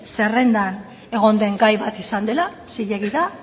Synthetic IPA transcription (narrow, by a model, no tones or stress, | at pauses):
se̞re̞nd̪an | e̞ɣ̞o̞nd̪e̞ŋɡajβat̪isand̪e̞la | siʎe̞ɣiða